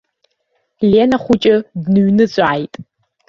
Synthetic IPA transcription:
leːnɐχʷʊt͡ʃʼɪdnɨɥnɨt͡ɕʷʼaːjtʼ

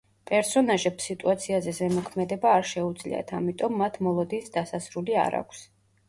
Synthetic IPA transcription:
pʼɛɾsɔnaʒɛpsit̪ʼuat̪sʰiazɛzɛmɔkʰmɛd̪ɛbaːɾʃɛud̪zlḭa̰t̪ʰamit̪ʼɔmːat̪ʰmɔlˠɔd̪insd̪asasɾulia̰ɾa̰kʷʰs

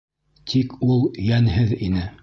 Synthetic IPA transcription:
t̪ʰikulˠjænhɘðinɘ

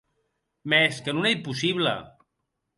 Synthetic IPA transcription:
mɛskənunejpusiβlə̰

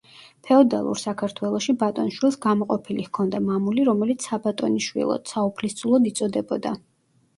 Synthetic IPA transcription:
pʰɛɔd̪a̰lˠṵɾsakʰaɾt̪ʰwɛlˠɔʃibat̪ʼɔnʃwilˠsɡamɔqʼɔpʰilihkʰɔnd̪amamuliɾɔmɛlit̪sʰabat̪ʼɔniʃwḭlˠɔ̰d̪̥saupʰlist̪sʰʼulˠɔd̪it̪sʼɔd̪ɛbɔd̪a

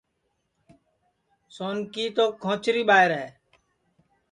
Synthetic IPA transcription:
soːnkiːt̪oːkʰõːt͡ʃɾiːɓaːɦɪɾɦɛː

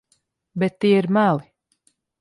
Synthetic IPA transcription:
bɛt̪ːiɛiɾmælˠi

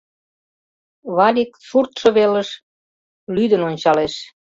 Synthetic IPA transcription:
βɑlʲikfurt̪ʃɤ̆βeləʃ | lyd̪ənonʲt͡ɕɑleʃ

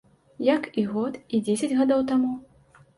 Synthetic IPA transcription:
jɐkiɣɔt̪id͡zʲesʲɐd͡zʲɣad̪ɔwt̪amu

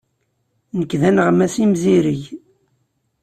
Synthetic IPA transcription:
nəkːðænəʁmæsimziɾiʝ

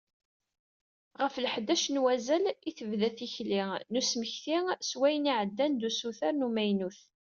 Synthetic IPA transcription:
ʁəflħd̪æʃnwæzæliθəvðæθiçlinusməçθiswæjəniʕəd̪ːænd̪usuθaɾnumæjnuθ

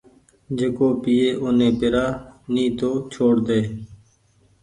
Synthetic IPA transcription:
d͡ʒeːkoːpiːeːʔonẽːpɪɾaːniːt̪oːt͡ʃʰoːɽd̪eː

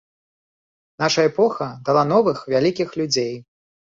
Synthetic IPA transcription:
naʂɐɛpɔxɐd̪alˠan̪ɔvɨxvʲalʲikʲixlʲud͡zʲej

